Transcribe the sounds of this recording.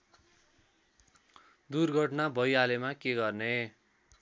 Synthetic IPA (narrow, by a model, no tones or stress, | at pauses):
d̪urɡʱʌʈnabʱʌjalemakeɡʌrne